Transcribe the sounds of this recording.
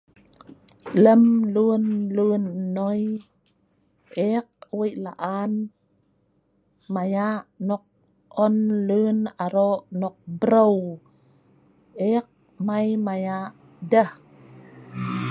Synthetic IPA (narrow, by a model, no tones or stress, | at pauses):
ləmlunlunːoj | ʔek̚wəjʔla̰ʔan | majaʔnɔk̚ | ɔnlunaɾoʔnɔk̚bɾow | ek̚ | majmajaʔ | dəh